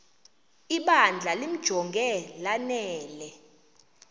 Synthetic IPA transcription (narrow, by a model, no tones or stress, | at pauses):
iɓand͡ɮʱalim̩d̥ʒ̥ʱɔŋɡʱɛlanɛɛːlɛ